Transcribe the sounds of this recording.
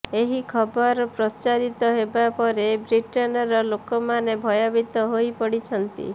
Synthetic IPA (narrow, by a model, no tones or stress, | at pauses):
eɦikʰɔbɔɾpɾɔt͡ʃaɾit̪ɔɦebapɔɾebɾiʈɔnɔɾɔlokɔmanebʱɔjɔbit̪ɔɦojpɔɽit͡ʃʰɔnt̪ḭ